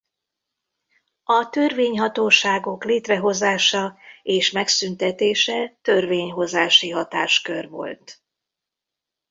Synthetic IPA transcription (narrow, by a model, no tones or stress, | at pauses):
ɒt̪ørveːɲɦɒt̪oːʃaːɡo̞kleːt̪rɛɦo̞zaːʃɒeːʃmɛksynt̪ɛt̪eːʃɛt̪ø̞rveːɲɦo̞zaːʃiɦɒt̪a̰ːʃkørʋo̞̰lt̪